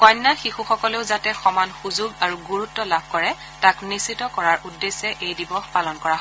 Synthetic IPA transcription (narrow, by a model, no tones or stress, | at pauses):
kɔjnːaxixuxɔkɔleʊzatɛxɔmanxuzuɡaɹuɡuɹutːɔlabʱkɔɹɛ | taknisitɔkɔɹaɹʔudːesɛʔejdibɔxpalɔnkɔɹaɦɔ